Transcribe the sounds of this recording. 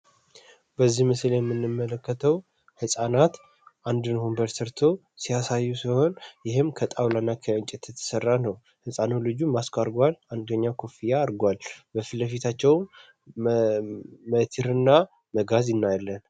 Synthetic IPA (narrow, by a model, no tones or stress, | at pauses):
b̥əzːihmɨsljɛmːɨnːɨmːələkːət̪ʰəw | hɨsʼanat̪ | ʔand̪ɨnhombəɾsɨɾt̪ʰo̞ | sijasajːusiho̞njɪhɨmkʰət̪ʼawlanːakʰəəɲt͡ʃʼɛt̪jɛt̪ʰːə̥sərːanəw | hɨsʼanolɨd͡ʒumaskʰaɾɡwaland̪əɲːakʰo̞fijaːɾɡwalbəfɨləfit̪ʰat͡ʃːɛwm | mət̪ʰiɾɨnːa | məɡazɪnːajlːən